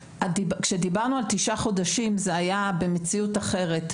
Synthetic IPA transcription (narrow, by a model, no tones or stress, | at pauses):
ʔadibkʃe̞dibaʁnualt̪iʃaχo̞daʃimzeajabe̞me̞t͡siutaχe̞ʁe̞t